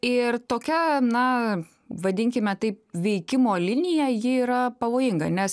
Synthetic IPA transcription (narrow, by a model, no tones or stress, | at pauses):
ɪrt̪oːkʲɛnɐ | ʋɐd̪ʲɪŋʲkʲɪmʲɛt̪ɐɪp̚ʋʲɛɪkʲɪmoːlʲɪnʲɪjɛjɪiːɾɐpɐʋoːjɪŋɡɐ̰nʲɛs